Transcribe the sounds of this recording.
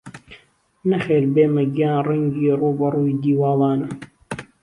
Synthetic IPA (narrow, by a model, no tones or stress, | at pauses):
nɐxeːɾbeːmɐɡjaːnrɐŋɡiːruːbɐɾuːid̪iːwɑːlˠɑːnɐ